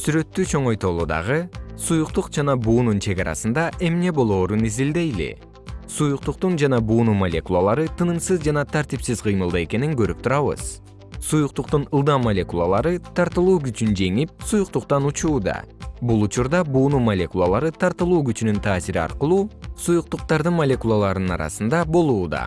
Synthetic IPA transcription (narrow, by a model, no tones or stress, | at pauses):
syɾø̞t̪ːyt͡ʃʰo̞ɴo̞jt̪o̞lˠuːd̪ɑ̰ʁɯsujuqt̪uqd͡ʒɑnɑbuːnunt͡ʃʰe̞ɡɑɾɑ̰sɯnd̪ɑʔe̞mne̞bo̞lˠo̞ːɾunizild̪e̞jlḭ | sujuq̚t̪uq̚t̪und͡ʒɑnɑbuːnumɐlʲe̞̰kulˠalˠɑɾɯt̪ɯnɯmsɯzd͡ʒɑnɑt̪ʰaɾt̪ipsizqʰɯjmɯlˠd̪ɑe̞ke̞niŋɡø̞ɾyp̚t̪ʰuɾɑβɯ̰z̥ | sujuq̚t̪uqt̪unɯlˠd̪ɑmmɐlʲe̞kulˠalˠɑɾɯt̪ʰɑɾt̪ɯlˠuːɡyt͡ʃynd͡ʒe̞ŋip̚sujuq̚t̪uqt̪ɑnut͡ʃuːd̪ɑ̰bulˠut͡ʃuɾd̪ɑbuːnumɐlʲe̞kulˠalˠɑɾɯt̪ʰɑɾt̪ɯlˠuːɡyt͡ʃynynt̪ʰaːsiɾiɑ̰ɾqəlˠuːsujuq̚t̪uq̚t̪ɑɾd̪ɯnmolʲe̞kulˠalˠɑɾnɯnɑ̰ɾɑ̰sɯnd̪ɑbo̞lˠuːd̪ɑ̰